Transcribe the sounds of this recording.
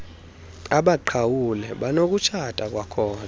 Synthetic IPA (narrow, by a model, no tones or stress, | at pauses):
aɓaǃʰawulɛɓanok̬ʼut͡ʃʰatʼak̬ʼwakʰɔːna